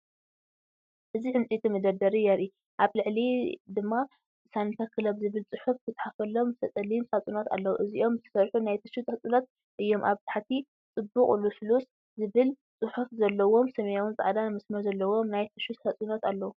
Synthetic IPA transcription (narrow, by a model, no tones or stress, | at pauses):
ʔɨziʕɨmt͡sʼit̪ʰimɨd̪ɐd̪ɐɾijaɾi | ʔaβlɨʕlid̪ɨmːa | sant̪ʰɐkʰɨlɐβzɨβɨlt͡sʼɨħufkʰɨt̪ʼħafɐlomzɨsʰɐt͡s̪ʼɐlinsat͡sʼunot̪ʰa̰lːɐwuʔɨziʔo̞mzɨt̪ʰɐ̥sɐɾħunajt̪ʰɨʃut̪ʼhɐt͡sʼunot̪̚ | ʔɨjːo̞mʔaβt̪ʰaħat̪ʰi | t͡sʼɨbːukʼɨluslus | zɨβɨl | t͡sʼɨħufzɐlːɐwo̞msɐmɐjawɨnzʼa̰ʕd̪anmɐsmɐɾzɐlːɐwo̞mnajt̪ʰɨʃut̪ħɐt͡sʼunot̪alːɐwu